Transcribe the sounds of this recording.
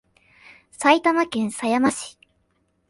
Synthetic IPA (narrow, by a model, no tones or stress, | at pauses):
sait̪amakẽ̞ɰ̃sajamaɕi̥